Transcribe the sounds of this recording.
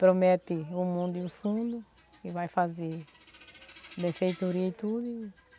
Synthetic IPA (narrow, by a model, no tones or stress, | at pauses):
pɾomɛt̪ɪʊmũnd̪ʊĩfũnd̪ʊ | ɪvajfaze | bẽfejt̪uɾiɐit̪ud̪ʊ